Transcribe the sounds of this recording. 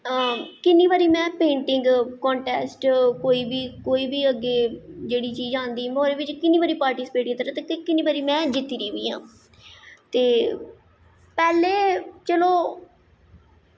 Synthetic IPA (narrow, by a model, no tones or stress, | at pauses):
kɪnːiːbaːɾiːmɛ̃ːpẽːɳʈɪŋɡkɔ̃ːɳʈɛːsʈkoːiːbiːkoːiːbiːəɡːeːd͡ʒeːɽiːt͡ʃiːzãːnd̪iːmoːɾeːʋɪt͡ʃkɪniːbaːɾiːpaːɾʈiːsɪ̥peːʈ̚kɪt̪əɾaːt̪eːk̪ekɪnːiːbaːɾiːmɛ̃ːd͡ʒɪt̪ːiːɾiːʋiːã̰ː | t̪eː | pɛːleːt͡ʃəloː